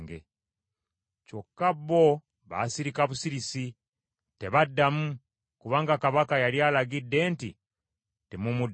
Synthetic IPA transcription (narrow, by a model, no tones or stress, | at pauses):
ŋɡḛ | cokːabːo | βa̰siɾikaβusiɾisi | te̞βadːamu | kuβaːŋɡakaβakajaljalaɡidːe̞ːntḭ | temumud